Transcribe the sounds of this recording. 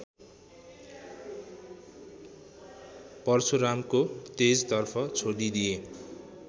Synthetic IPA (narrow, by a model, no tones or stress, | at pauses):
pʌrsʰuɾamkot̪ed͡zt̪ʌrpʰʌt͡sʰoɽid̪ie